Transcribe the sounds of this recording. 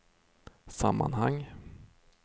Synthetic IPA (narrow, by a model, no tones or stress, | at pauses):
sa̰mːa̰nhaŋː